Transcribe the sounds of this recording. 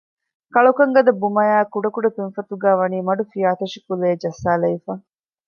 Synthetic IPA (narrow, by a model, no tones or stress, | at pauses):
kɐɭukɐŋɡɐd̪ɐbumɐjaːkuɖɐkuɖɐpinfɐt̪uɡæːʋɐniːmɐɖufijaːt̪ɐʂikuleːd͡ʒɐsaːlɐifaː